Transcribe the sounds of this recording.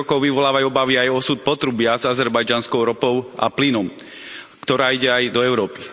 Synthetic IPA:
ɔkɔʊʋiʋɔlaːʋajuɔbaʋiajɔsut̪̚pɔt̪ɾubɪazazɛɾbajd͡ʒanskɔʊɾɔpɔʊʔa̰plinɔm | kt̪ɔɾaːiɟɛajd̪ɔɛʊɾɔːpi̥

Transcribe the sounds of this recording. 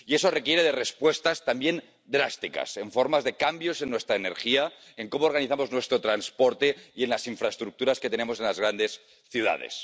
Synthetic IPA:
ie̞so̞re̞kje̞ɾeðerespwe̞st̪ast̪ambje̞n | d̪ɾast̪ika̰se̞ɱfo̞ɾmazðekambjo̞se̞nːwe̞st̪ɾaene̞̰ɾxia | eŋko̞moːɾɣ̞aniθamo̞znwe̞st̪ɾot̪ɾanspo̞ɾt̪eie̞nlasiɱfɾaest̪ɾuk̚t̪uɾaske̞t̪ene̞mo̞se̞nlazɣ̞ɾand̪e̞s | θjuða̰ðḛs

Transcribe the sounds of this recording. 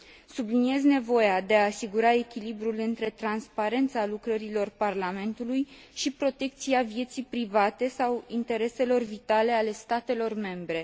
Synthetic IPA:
sublinie̞zne̞vo̞jad̪e̞aːsiɡuɾae̞kʲilibɾulɨnt̪ɾe̞t̪ɾanspaɾe̞nt̪salukɾəɾilo̞rparlame̞nt̪uluj | ʃipɾo̞t̪e̞k̚t̪siavje̞t̪sijpɾivat̪e̞sawint̪e̞ɾe̞se̞lo̞rvit̪ale̞ale̞st̪at̪e̞lo̞rme̞mbɾe̞

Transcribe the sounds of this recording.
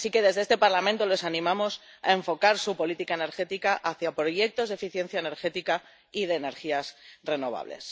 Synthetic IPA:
sike̞ðe̞zðeest̪e̞paɾlamẽnt̪o̞le̞sanĩmamo̞s | a̰e̞ɱfo̞kaɾsupo̞lit̪ikae̞ne̞ɾxe̞t̪ikaʔaθjapɾo̞je̞k̚t̪o̞zðefiθje̞n̟θjaene̞ɾxe̞t̪ika | ið̞e̞ːne̞ɾxiasre̞no̞β̞a̰βle̞̰s

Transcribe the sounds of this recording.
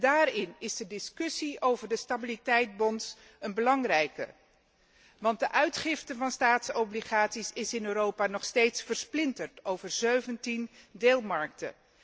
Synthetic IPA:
daːɾɪnɪzdədɪskɵsiʔowvəɹdəstabilitɛjt̚bɔns | ənbəlɑŋrɛjkə̰ | ʋɑn̚dəʔœɥtχɪftəvɑnstaːtsɔbliχaːtsisɪsɪnøːɾowpaːnɔχstejtsfəɹsplɪntəɹtowvəɹzøɥvəntindeːlˠmɑɹk̚tə̰

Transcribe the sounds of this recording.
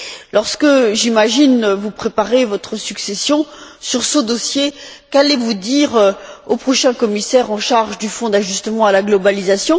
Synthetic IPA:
lɔʁskəʒimaʒinvupχepaʁevɔt̪χəsyksesjɔ̃syʁsəd̪ɔsjekalevud̪iʁopχɔʃɛ̃kɔmisɛʁɑ̃ʃaʁʒd̪yfɔ̃d̪aʒyst̪əmɑ̃alaɡlɔbalizasjɔ̃

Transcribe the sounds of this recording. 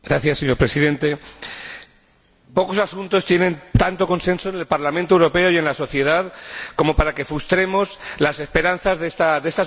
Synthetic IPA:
ɡɾaθjasːeɲo̞ɾpɾe̞siðẽ̞nt̪e̞ | po̞ko̞sasunt̪o̞st̪jenẽ̞nt̪ant̪o̞ko̞nse̞nso̞ene̞lpaɾlamẽnt̪oewɾo̞pe̞o̞je̞nlaso̞θje̞ð̞aðko̞mo̞paɾake̞fɾust̪ɾe̞mo̞slase̞spe̞ɾanθazðest̪aðe̞st̪a

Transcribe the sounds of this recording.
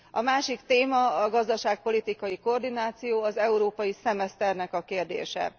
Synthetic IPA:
ɒmaːʃikt̪eːmɒɒɡɒzd̪ɒʃaːk̚po̞lit̪ikɒjiko̞rd̪inaːt̪sijoːɒzɛuɾoːpɒjisɛmɛst̪ɛrnɛkɒkeːrd̪ḛːʃɛ̰

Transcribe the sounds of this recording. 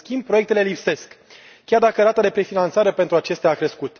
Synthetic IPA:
skʲimb̚pɾo̞jekt̪e̞le̞lipse̞skʲː | ard̪akəɾat̪ad̪e̞pɾe̞finant̪saɾe̞pe̞nt̪ɾuat͡ʃe̞st̪aːkɾe̞skut̪

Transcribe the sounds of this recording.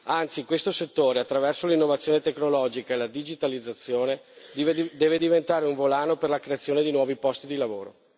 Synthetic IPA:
ant̪sikwest̪oset̪ːoːɾeat̪ːɾavɛrsolinːovat̪sjoːnet̪eknolɔd͡ʒikaelad̪id͡ʒit̪alid̪zːat̪sːjoːne | d̪ɛːved̪ivent̪aːɾeuɱvolaːnoperlakɾeat̪sːjoːned̪inwɔːvipɔst̪id̪ilavoːɾo

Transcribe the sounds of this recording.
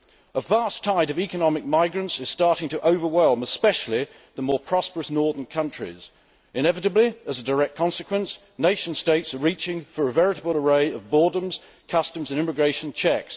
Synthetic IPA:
əvæˑstʰaɪɾʌvikənɑmɪk̚maɪɡɹɨ̃ntsɨz̥stɑˑɹɾɪ̃ŋtʰəʔoʊvə˞wɛlˠməspɛʃl̩ˠi | ðəmɔːɹpʰɹ̥ɑspə˞əsnɔɹðə̃nkʰʌ̃nt͡ʃɹ̥ḭz̥ | ɨ̃ñɛvɨɾɨbliəzədə˞ɛk̚kʰɑ̃nsɨkʰwə̃ns | neɪʃn̩steɪtsəɹiˑt͡ʃɪ̃ŋfə˞əvɛɹɨɾəbəl̩ˠəɹeɪʌvbɔɹdə̃mz̥ | kʰʌstə̃m̩zɨ̃nɪmɨɡɹeɪʃn̩t͡ʃʰɛks

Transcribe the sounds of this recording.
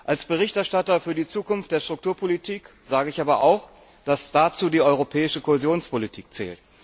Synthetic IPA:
ʔalsb̥əʁ̞ɪçtɛɐʃtatɐfyːɐdiːt͡suːkʊnftd̥eːɐʃtʁ̥ʊk̚tʰuːɐpʰolitʰiːk | z̥aːɡəɪçʔaːbɐʔa̰ʊx | d̥asd̥at͡suːdiːʔɔʏʁopʰɛːɪʃəkʰohezjoːnspolitʰiːk̚t͡sɛ̰ːlt

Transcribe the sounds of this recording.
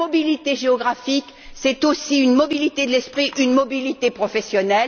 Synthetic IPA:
ɔbilit̪eʒeɔɡʁafik | sɛt̪osiynmɔbilit̪ed̪əlɛspχiʔynmɔbilit̪epχɔfɛsjɔnɛl

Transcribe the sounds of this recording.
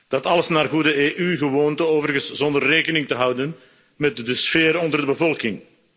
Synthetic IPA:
d̥ɑtɑləsnaːrɣudəeːʔyɣəwoːntəoːvərɣənsz̥ɔndərːeːkənɪŋtəɦʌwdən | mɛtdəsfeːɾɔndərdəbəvɔlˠkɪŋ

